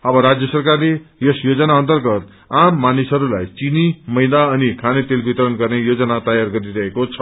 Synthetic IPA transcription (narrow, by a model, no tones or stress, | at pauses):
ʌbʌɾad͡zjʌsʌrkarlejʌsjod͡zʌnaʌnt̪ʌrɡʌt̪̚ | amːanisɦʌɾulajt͡sinimʌjd̪aʌnikʰanet̪elbʱit̪ʌɾʌnɡʌrnejod͡zʌnat̪ʌjarɡʌɾiɾʌɦekot͡sʰʌ